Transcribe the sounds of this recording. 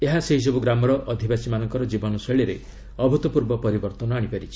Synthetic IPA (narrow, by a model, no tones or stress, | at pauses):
eɦaseɦis̬ɔbuɡɾamɔɾɔʔɔd̪ʱibasimanɔŋkɔɾɔd͡ʒibɔnɔseɭiɾe | ɔbʱut̪ɔpuɾbɔpɔɾibɔɾt̪ɔnɔaɽ̃ipaɾit͡ʃʰi̥